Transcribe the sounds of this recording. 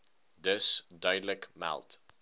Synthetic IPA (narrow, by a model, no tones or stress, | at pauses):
dəsdaɪdləkma̰lˠt